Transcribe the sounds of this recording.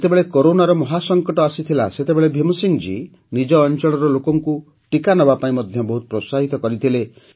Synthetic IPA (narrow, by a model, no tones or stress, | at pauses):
et̪ebeɭekoɾonaɾɔmɔɦasɔŋkɔʈɔasit̪ʰilaset̪ebeɭebʱimusiŋd͡ʒḭ | nid͡ʒɔːnt͡ʃɔɭɔɾɔlokɔŋku | ʈikanɔbapaĩmɔd̪ʱjɔbɔɦut̪̚pɾosaɦit̪ɔkɔɾit̪ʰile